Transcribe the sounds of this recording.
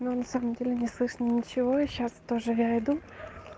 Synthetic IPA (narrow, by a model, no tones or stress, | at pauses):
nonɐsaməmdʲelʲɪnʲɪslˠɨʂnʲɪnʲɪt͡ɕɪvo̞ɕast̪o̞ʐɨjaɪd̪u